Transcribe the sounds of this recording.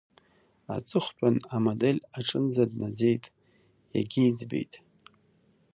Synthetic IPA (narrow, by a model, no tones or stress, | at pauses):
a̰t͡sʼɨχʷt͡pʷʼanamodelʲaʈ͡ʂʼɨnzadnad͡ze̞jtʼ | ja̰ɡʲiːd͡zbḛjtʼ